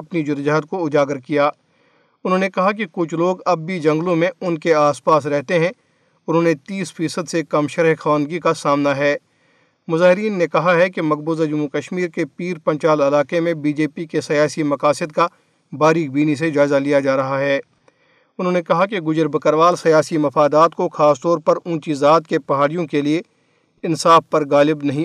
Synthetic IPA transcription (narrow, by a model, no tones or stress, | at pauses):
ɐpnid͡ʒʊɾd͡ʒaɦd̪̚koʊd͡ʒaːɡəɾkijaː | ʊnɦõːnekɐɦakikʊt͡ʃʰloːɡɐb̚ːʱid͡ʒɐ̃ŋɡlõmẽʊnkeaːspaːs̬ɾɛɦt̪eɦɛ̃ | ʊnɦõːnet̪iːsfiːsəd̪sekɐmʃɐɾɦxɐʋə̃ːnd̪ɡikasaːmnaɦɛː | mʊzaːɦɪɾiːnːekɐɦaɦɛkemɐk̚buːzad͡ʒʊmːukɐʃmiːɾkepiːɾpɐ̃ɲt͡ʃaːlɐlaːkemẽbiːd͡ʒeːpikesɐjaːsimɐkaːsɪd̪̚ka | baːɾiːk̚biːnis̬ed͡ʒaːɪzalijad͡ʒaːɾɐɦaɦɛː | ʊnɦõːnekɐɦakeɡʊd͡ʒəɾbəkəɾʋaːlsɐjaːsimɐfaːd̪aːt̪koxaːst̪ɔːɾpɐɾũːt͡ʃizaːt̪kepɐɦaːɽijõkelie | ɪ̃nsaːfpɐɾɣaːlɪbnɐɦĩ